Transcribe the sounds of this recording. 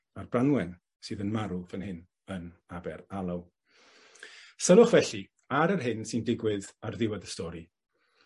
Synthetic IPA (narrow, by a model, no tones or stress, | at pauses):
arbranwɛn | sɨːðənmaɾuvənhɪn | ənabɛɾalˠaw | səlʊχvɛɬi | aɾərɦɪnsɪndɪɡwɪðarðɪwadəstɔɾi